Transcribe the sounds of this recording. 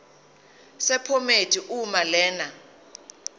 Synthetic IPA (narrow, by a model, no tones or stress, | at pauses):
sɛpʰometʰʼiʔumalɛːna